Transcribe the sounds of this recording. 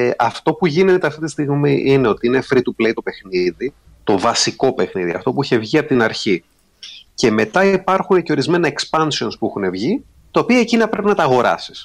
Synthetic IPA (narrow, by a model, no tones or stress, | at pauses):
ʔɐft̪o̞puʝine̞t̪eɐft̪it̪ist̪iɣmiʔine̞ot̪iine̞fɾit̪uple̞jt̪o̞pe̞xniði | t̪o̞vɐsiko̞pe̞xniðḭɐ̰ft̪o̞puiçe̞vʝiɐpot̪inɐɾçi | ce̞me̞t̪ɐipɐɾxune̞ce̞o̞ɾizme̞nɐekspɐnsio̞nspuixune̞vʝi | t̪ɐopiɐecinɐpɾe̞pinɐt̪ɐːɣo̞ɾɐ̰si̥s